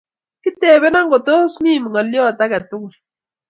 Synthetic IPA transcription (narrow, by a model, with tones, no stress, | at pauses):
kɪ˦tɛ˨bɛ˦na˦ŋɡo˨to˦smi˦˨m˨ŋɔ˨ljɔ˦˨ta˦ka˨tu˦ŋ˨